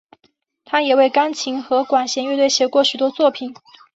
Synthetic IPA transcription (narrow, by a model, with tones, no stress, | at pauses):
t̪ʰa˥jɛ˨˩we˥˩ɪkɑ˥ŋt͡ɕʰi˧˥ŋxɤ˧˥kwa˨˩nɕjɛ˧˥nɥt̪we˥˩ɪɕjɛ˧˥kwɔ˥˩ɕy˨˩t̪wɔ˥t͡swɔ˥˩pʰi˨˩˦n